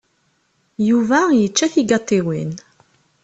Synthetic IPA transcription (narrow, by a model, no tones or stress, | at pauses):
juvæjət͡ʃːæθiɡɑt̪ˤːiwin